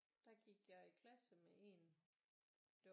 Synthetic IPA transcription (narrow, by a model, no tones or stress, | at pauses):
d̥ɑ̈ɡ̥iɡ̥jɑ̈ikʰlæsəmeʔe̝n | d̥e̝